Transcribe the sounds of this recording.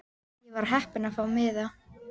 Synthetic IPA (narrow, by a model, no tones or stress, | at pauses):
jɛvaɾ̥ɦɛhpɪnafawmɪða